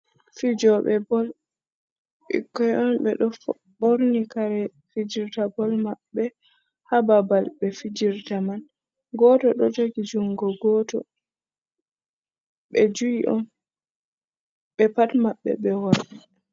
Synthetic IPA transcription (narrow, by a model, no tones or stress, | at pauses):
fid͡ʒɔɓɛbɔl | ɓḭkːɔjʔɔnbɛ̰ɗɔf | boɾnikaɾɛ | fid͡ʒiɾtabɔlmaɓːɛ | hababalbɛfid͡ʒiɾtaman | ɡɔtɔɗɔd͡ʒoɡid͡ʒuŋɡɔɡɔtɔ̰ | ɓɛd͡ʒujiʔɔn | ɓɛpatmaɓːɛ̰ɓɛwɔɾɗi